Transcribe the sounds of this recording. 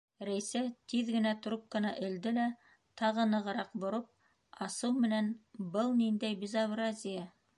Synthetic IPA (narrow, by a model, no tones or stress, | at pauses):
ɾæjsæt̪iðɡɘ̆næt̪ɾup̚kɤ̆nɑʔɘ̆ld̪ɘlæ | t̪ɑʁɤ̆nɤ̆ʁɤ̆ɾɑqbŏɾop̚ | ɑsɤwmɘ̆nænbɤlˠnind̪æjbʲɪzaβrazʲɪja